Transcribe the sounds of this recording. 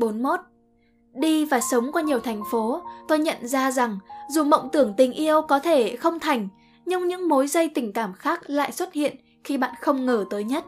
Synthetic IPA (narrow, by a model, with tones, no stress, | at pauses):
ɓo˨˦nmo˦˥t̚ | ɗi˧vaː˨˩sə˨˦wŋ͡mkwaː˧ɲi˨˩əwt̪ʰɛ˨˩jŋ̟fo˨˦t̪o˧jɲə̰˧˨nzaː˧za˨˩ŋzu˨˩mə̰˧˨wŋ͡mt̪ɨ˧˩əŋt̪ï˨˩ŋ̟ʔi˧əwkɔ˨˦t̪ʰe˧˩xə˧wŋ͡mt̪ʰa˨˩jŋ̟ | ɲɨ˧ŋɲɨ̰˧˥ŋmo˨˦jzə˧jt̪ï˧˩ŋ̟kaː˧˩mxaː˦˥k̚la̰ː˧˨jswə˦˥t̚hḭ˧˨ən | xi˧ɓa̰ː˧˨nxə˧wŋ͡mŋəː˧˩t̪əː˨˦jɲə˦˥t̚